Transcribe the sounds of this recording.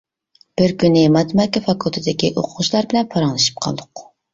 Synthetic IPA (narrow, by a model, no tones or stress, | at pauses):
b̥ɪɾkʲynɪmɑt̪mɑkʲɛfɑkʰulˠt̪ʰɨd̪ɪkʲiʔoqʰʊʁʊʃlˠɑɾbɪlɛnpʰɑɾɑŋlˠɨʃi̥p̚qʰɑ̰lˠd̪ʊq